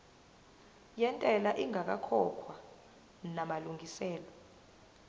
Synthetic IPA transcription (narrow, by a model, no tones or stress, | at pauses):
jɛntʼɛlaʔiŋʱak̬akʰɔkʰwa | namaluŋʱisɛːlɔ